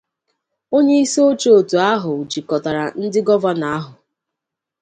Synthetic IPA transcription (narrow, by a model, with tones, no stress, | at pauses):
o˦ɲe˦i˦so˦o˦t͡ʃo˦o˨tu˨a˦ɦʊ˨u˨d͡ʒi˨kɔ˨ta˨ɾa˨n̩˦dɪ˦ɡɔ˦va˦na˨a˦ɦʊ˨